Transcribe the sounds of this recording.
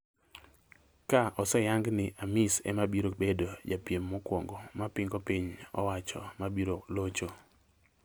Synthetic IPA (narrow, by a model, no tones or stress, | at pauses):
kaʔɔsɛjaŋɡnɪʔamisɛ̰mabiɾobedod͡ʒapjemːɔkwoŋɡomapɪŋɡopiɲɔ̰wat͡ʃɔ̰mabiɾolot͡ʃo